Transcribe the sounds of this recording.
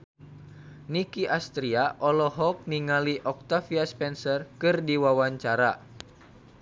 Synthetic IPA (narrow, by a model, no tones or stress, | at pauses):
nikiʔast̪ɾiaʔɔlɔɦɔk̚niŋaliʔɔk̚t̪afiaspɛnsərkɨrdiwawaɲt͡ʃaɾa̰